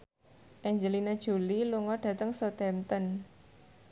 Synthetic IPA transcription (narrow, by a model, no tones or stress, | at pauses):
ʔɛɲd͡ʒəlinad̥ʒ̥ṳliluŋɔɖ̥ä̤t̪əŋsɔt̪ɛmt̪ən